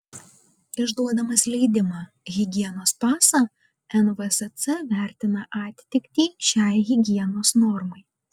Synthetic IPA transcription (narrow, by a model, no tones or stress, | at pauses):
ɪʒd̪uɔd̪ɐmɐslʲɛɪd̪ʲɪmɑ | ɣʲɪɡʲiɛnoːspɑːsɐ | ɛnʋɛsɛt̪sɛʋʲæˑɾʲt̪ʲɪnɐʔɑːt̪ʲt̪ʲɪkʲt̪ʲiːʃʲæˑɪɣʲɪɡʲiɛnoːsnɔɾmɐɪ